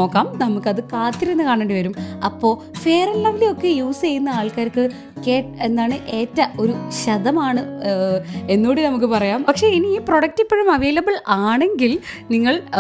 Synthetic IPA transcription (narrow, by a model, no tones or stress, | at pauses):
oːkːaːmnɐmukːɐðɨkaːt̪ːiɾenːɨkaːɳeːɳɖiʋɐɾumɐpːo̞ː | fe̞ːrɐlːɐʋileo̞kːe̞juːst͡ɕejunːɐaːɭkaːɾkːɨ | ke̞ːʈe̞nd̪aːɳɨʔe̞ːtːɐo̞ɾuɕɐðɐmaːɳɨ | e̞nːoːɽinɐmuk̬ːɨpɐrɐjaːmpɐkʂe̞iniiːpro̞ɽɐk̚tipːeɻumɐʋe̞ːlɐbɨɭaːɳe̞ŋɡilniŋːɐɭ